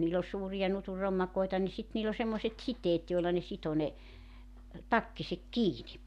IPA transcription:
niːl olʲ suːrijɑ nutur romːɑkoetɑ ni sit niːl o semːoset siteːt joelːɑ ne sito ne tɑkːisek kiːni

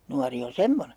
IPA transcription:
nuɑri on semːone

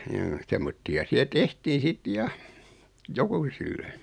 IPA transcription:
joː semːotːiɑ siæ tehtiː sit jɑ jokuːsilːe

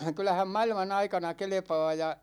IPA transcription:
kylˑæhæm mɑilmɑn ɑikɑnɑ kelĕpɑ̝ː jɑ

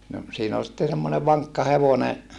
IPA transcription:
no siːn ol sitːe semːone ʋɑŋkːɑ heʋone

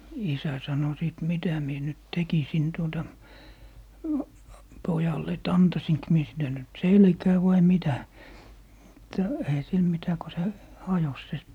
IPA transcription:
isæ sɑno siˑt mitæ mie nyt tekisin tuotɑ pojɑlːe et ɑntɑsink mie silːe nyt selkæː ʋɑi mitæ mutːɑ eihæ sil mitæ ko se hɑjos se

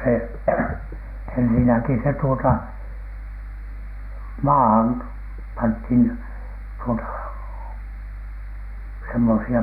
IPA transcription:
se ensinæki se tuotɑ mɑːhɑn pɑnthin tuotɑ semːosiɑ

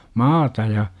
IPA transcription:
mɑːtɑ jɑ

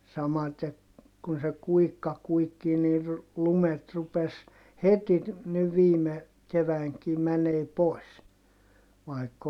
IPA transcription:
sɑmɑte kun se kuikːɑ kuikːiː nir lumet rupes heti niʋ ʋiːme keʋæiŋki mæneː poˑi̯s ʋɑi̯kː

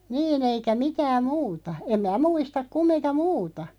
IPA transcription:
niːn eikæ mitæːm muːtɑ em mæː muistɑk kumːinkɑ muːtɑ

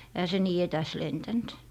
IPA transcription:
ehæ se niː etæs lentænt

